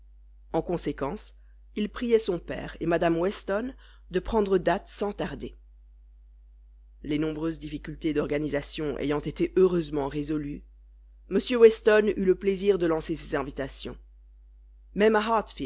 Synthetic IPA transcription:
ɑ̃kɔ̃sekɑ̃s | ilpχijɛsɔ̃pɛ̰ːʁemad̪amwɛst̪ɔn | d̪əpχɑ̃d̪ʁəd̪at̪sɑ̃t̪aʁd̪e | lenɔ̃bʁøzd̪ifikʲylt̪ed̪ɔʁɡanizasjɔ̃ʔḛjɑ̃t̪et̪eʔøʁøzmɑ̃ʁezɔly | məsjøwɛst̪ɔnyləpleziʁd̪əlɑ̃sesezɛ̃vit̪asjɔ̰̃ | mɛmaɦaʁt̪fi

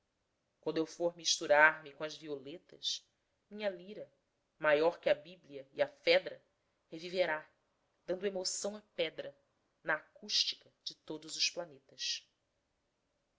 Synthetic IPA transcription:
kwɐ̃nd̪ewfoɾmiʃt̪uɾaɾmikõɐzviolet̪ɐʃ | mĩɲɐliɾɐ | majɔɾkɪɐbibliɐiɐfɛd̪ɾɐ | heviveɾa | d̪̥ɐ̃nd̪ʊemosɐ̃w̃ɐpɛd̪ɾɐ | nɐːkuʃt͡ʃi̥kɐd͡ʒɪt̪od̪ʊzʊʃplanet̪ɐs

